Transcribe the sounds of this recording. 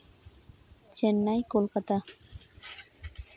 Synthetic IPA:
t͡ʃenːajkolkat̪a

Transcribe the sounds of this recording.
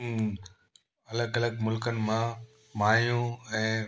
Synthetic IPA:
ɐləɡɐləɡmʊlkənɪ̆mã | maːjũɛ̃ː

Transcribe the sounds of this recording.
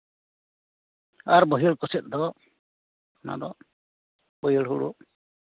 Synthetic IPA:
aɾbəɦiɭkɔsɛt̪̚ˀd̪ɔ | na̰d̪ɔ | bɔjiɽɦuɽṵ

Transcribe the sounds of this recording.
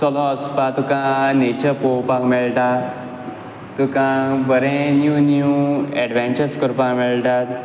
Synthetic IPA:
sɔlɔəspat̪ukãnet͡ɕəɾpopakmeɭʈa | t̪ukãbəɾẽnjunjiũɛɖʋɛ̃nt͡ɕəɾskəɾpakmeɭʈat̪

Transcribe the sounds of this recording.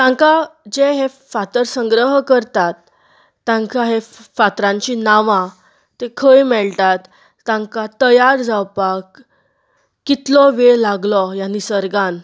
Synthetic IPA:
t̪ãŋkad͡ʑeɦe | fat̪əɾsə̃ŋɡɾəɦkəɾt̪at̪ː | ãŋkaɦefat̪ɾãɲt͡ɕinaʋã | t̪ekʰəjmɛɭʈ̪at̪ː | ãŋkat̪əjaɾd͡zawpakː | it̪lɔʋelaɡlɔjanːisəɾɡãn

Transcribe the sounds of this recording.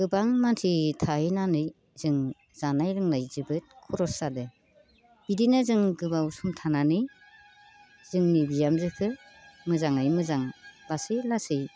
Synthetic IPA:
ɡ̥ɯbaŋmantʰitʰajinanɯj | zɯŋ | z̥anajɾɯŋnajzɯbɯt̚kʰɔɾɔsadɯ | bidinazɯŋɡɯbawusumtʰananɯj | z̥ɯŋnibijamzɯkʰɯmɯzaŋnajmɯzaŋlasɯjlasɯj

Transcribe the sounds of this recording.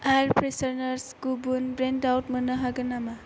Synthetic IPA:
ajɾpʰɾesɐɾnɐɾsɡ̥ubunbɾendawtmɐnɐɦaɡɯnama

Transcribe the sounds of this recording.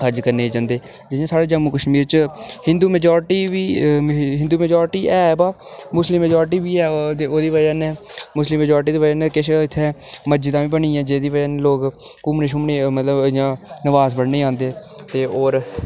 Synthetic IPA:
ɦəd͡ʒkəɾneːd͡ʒãːnd̪eː | d͡ʒɪjãːsaːɽeːd͡ʒəmuːkəʃmiːɾt͡ʃhɪ̃nd̪uːmɛːd͡ʒɔːɾʈiːʋiːɦɪ̃nd̪uːmɛːd͡ʒɔːɾʈiːʔɛːbaːmʊslɪmːɛːd͡ʒɔːɾʈiːʋiːɛːoːd̪iːʋəjənɛːmʊslɪmːɛːd͡ʒaːɾʈ̬iːd̪eːʋəd͡ʒənɛkɪʃɪt̪ʰːeːməd͡ʒid̪ãːʋĩːbəɳĩːãːd͡ʒeːd̪iːʋəənloːkkʊmneʃ̬ʊmneːmət̪ləbɪjãːnəʋaːzbəɽneːãːnd̪eːt̪eːoːɾ

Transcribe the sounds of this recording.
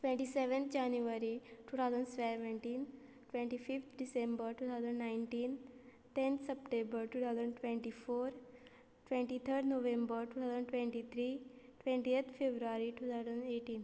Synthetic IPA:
ʈʋẽɳʈiseʋə̃nt̪ʰd͡ʑanjuʋaɾiʈuːt̪ʰawd͡zəɳɖsʋɛʋẽɳʈiːn | ʈʋẽɳʈifift̪ʰɖisẽmbəɾʈuːt̪ʰawzə̃ɳɖnaiɳʈiːn | t̪ent̪səpʈẽmbəɾʈuːt̪ʰawzəɳʈʋẽɳʈifoɾ | ʈʋẽɳʈit̪ʰəɾɖnoʋẽmbəɾʈuːt̪ʰawzəɳʈʋẽɳʈit̪ʰɾiʈʋẽɳʈiet̪ʰfebɾuaɾiʈuːt̪ʰazəneʈiːn

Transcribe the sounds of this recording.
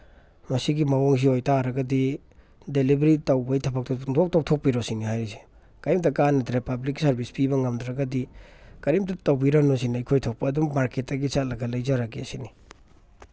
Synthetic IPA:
mɐsiɡimawoŋs̬iojtaɾɐɡɐdi | delibɾitɐwbɐjtʰɐbak̚tɐŋdok̚tʰok̚tʰok̚piɾosiniɦajɾizi | kɐɾimtɐkanɐdɾepabliksɐɾbispibɐŋɐmdɾɐɡɐdikɐɾimtɐtɐwbiɾanos̬inɐijkʰojtʰok̚pɐːdumːaɾketːaɡisatlɐɡɐlɐjzaɾakiɐsini

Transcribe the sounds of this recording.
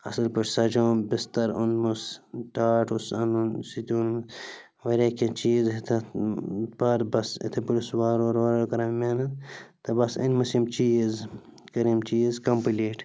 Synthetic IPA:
ɐsɐlpɐt͡ʃsɐd͡ʒoːmbist̪ɐɾunmusʈaːʈʰusɐnunsit̪ʲuːnm | ʋɐɾʲeket͡ʃiːzɦet̪ʰɐ | pɐɾbɐsḭt̪ʰɐpulisʋaːɾoːɾoːɾɐlkɐɾɐmmeːnɐt̪ɐbɐsɐ̰nmɐsimt͡ʃiːz | kɐɾimt͡ʃiːzkɐmpileːʈ

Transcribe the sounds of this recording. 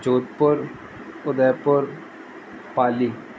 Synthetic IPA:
d͡ʒoːt̪̚pʊɾ | ʊd̪əɾpʊɾ | paːliː

